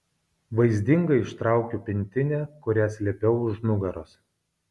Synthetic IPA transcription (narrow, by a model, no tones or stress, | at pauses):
ʋɐɪzʲd̪ʲɪŋɡɐɪɪʃt̪ɾɑˑʊkʲupʲɪnʲt̪ʲɪnʲɛːkʊɾʲæsʲlʲɛpʲɛʊʊʒnʊɡɐɾos